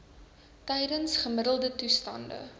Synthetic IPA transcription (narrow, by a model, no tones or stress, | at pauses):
tɛjdənsχəmədəlˠdətustɐndə̰